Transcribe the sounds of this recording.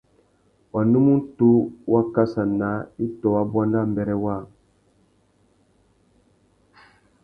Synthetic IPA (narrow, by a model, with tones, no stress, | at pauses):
wa˨nu˦mu˦n˦tu˦wa˦ka˦sa˨na˨˦i˦tɔ˨wa˦bwa˦nda˦˨m˨bɛ˨ɾɛ˦wa˦˨